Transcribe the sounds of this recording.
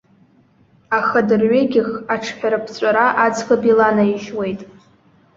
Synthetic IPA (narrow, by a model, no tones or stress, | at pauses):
aχadɨrɥeɡʲɪχaʈ͡ʂʰħʷᶣaɾɨpʰt͡sʷʼaɾaʔad͡zχabilanaiʃwe̞jtʼ